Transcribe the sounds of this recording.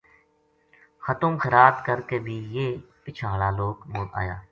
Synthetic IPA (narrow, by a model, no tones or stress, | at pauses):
xət̪ʊ̃mxəɾaːt̪kəɾkeːbʱiːjeːpɪt͡ʃʰaːlaːloːkmoːt̪a̰ːja̰ː